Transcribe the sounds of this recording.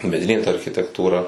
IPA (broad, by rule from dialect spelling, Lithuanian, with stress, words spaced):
mʲɛˈdʲɪnʲeː tɐ ɐrʲxʲɪtʲɛktuːˈrɐ